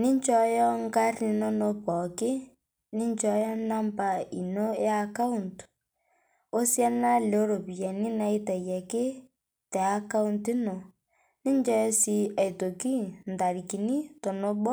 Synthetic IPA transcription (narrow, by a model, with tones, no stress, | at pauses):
ni˦ɲt͡ʃɔ˦jɔ˦ŋ˦ka˦ri˨˦no˦no˦pɔ˨kɪ˦ | ni˦ɲ˦t͡ʃɔ˦jɔ˦na˦m˦pa˦˨i˨no˦ja˦ka˦u˦˨nt | o˦sja˦na˦le˨o˦ɾo˨pi˨jɛ˨ni˦na˦i˦tɛ˨jɛ˨kɪ˦ | tɛ˨a˦ka˦u˦nti˦no˨ | ni˦n˦d͡ʒɔ˦jɔ˦si˦a˨i˨to˨ki˦n̩˨da˨ɾi˨ki˨ni˦to˨no˦bɔ˦